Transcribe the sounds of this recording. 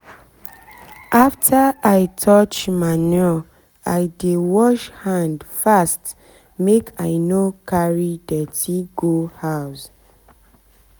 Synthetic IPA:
ʔaftʰaaɪtʰɔt͡ʃmanɛ | aɪdewɔʃhãndfast | mekʰaɪnokʰaɹidɛtʰiɡohaʊs

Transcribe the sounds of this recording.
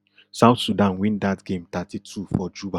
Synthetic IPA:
saʊtsudãnwĩndatɡẽmtatʰitʰufɔd͡ʒuba

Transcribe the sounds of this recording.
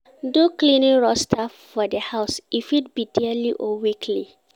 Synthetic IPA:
doklĩneɹɔstʰa | fɔdəhaʊsifit̚bidiəliʔɔwikʰlḭ

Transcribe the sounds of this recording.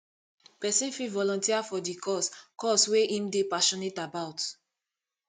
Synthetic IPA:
pɛsĩnfilvɔlɔ̃ntiafɔdikʰɔskɔsweĩmdepaʃɔnetabaʊt

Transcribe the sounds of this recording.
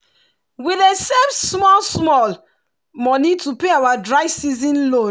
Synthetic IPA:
wilesevsmɔlsmɔl | mɔ̃nitupeawadɹaɪsizĩnlõ

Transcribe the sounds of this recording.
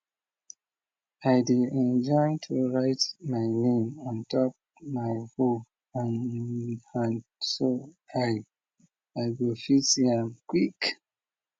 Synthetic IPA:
ajdiɛ̃nd͡ʒɔɪtʰuɹaɪtmaɪnĩmãntʰɔp̚ | maɪfo | ãn | hãnso | aj | aɪɡofithɛ̃mkwik

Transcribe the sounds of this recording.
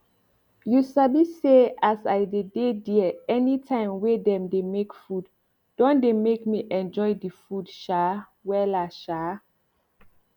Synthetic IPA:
jusabiseasajdedediɛnitʰãɪ̃mwedɛ̃mdemekfud | dɔ̃ndemekmiʔɛ̃nd͡ʒɔjdifudʃa | wɛlaʃa

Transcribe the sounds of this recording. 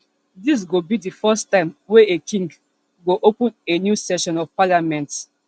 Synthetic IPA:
dis̬ɡobidifɔstãɪ̃mweekʰĩŋɡ | ɡoʔopə̃nenjusɛʃɔ̃nɔvpalamɛ̃nt

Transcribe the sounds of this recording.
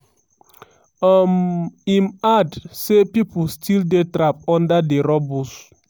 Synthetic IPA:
amimadsepipulstʰildetɾap̚ɔ̃ndadeɾɔbus

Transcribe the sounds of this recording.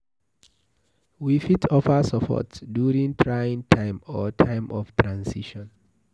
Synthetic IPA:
wifitʰɔfəsɔpʰɔ̰tdjuɹĩŋtʰɹajĩŋtʰãɪ̃mɔtʰãɪ̃mʔɔftʰɹãnsiʃɔ̃n

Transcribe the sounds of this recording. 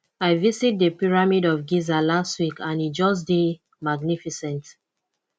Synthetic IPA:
aɪvisit̚dəpiɹamidɔfɡizalastwikãnit̚d͡ʒɔs̬de | maɡnifisɛ̃nt

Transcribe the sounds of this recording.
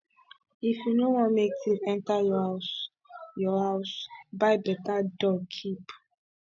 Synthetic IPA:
ifjunowɔ̃nmeksitɛ̃ntajɔas | jɔhaʊsbaɪbɛtadɔkʰip

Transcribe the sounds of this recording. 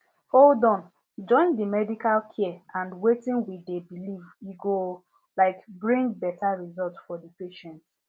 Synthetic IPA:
oldɔ̃n | d͡ʒɔ̃ɪ̃ndimɛdikalkʰiɛãndwetĩnwidebiliviɡo | laɪkbɹĩŋɡbɛtaɹizɔltsfɔdipeʃɛ̃nt

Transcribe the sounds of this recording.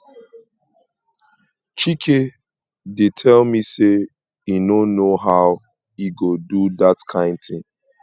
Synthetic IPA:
t͡ʃikʰe | detʰɛlmise | inonoɦaʊ | iɡoduðatkʰãɪ̃nd̚θɪ̃ŋ

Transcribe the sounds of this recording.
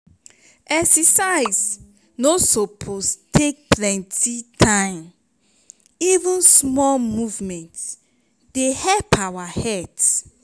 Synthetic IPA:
ʔɛksɛsaɪs | nosopʰostʰek̚plɛ̃ntitʰãɪ̃m | ivũnsmɔmuvmɛ̃nt | d̥ehɛlpʰawahɛt

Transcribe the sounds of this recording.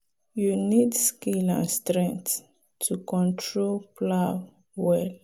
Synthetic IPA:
junidskelã̰nstɹɛ̃ŋkt | tʰːukɔ̃ntʰɹolpʰla | wɛl

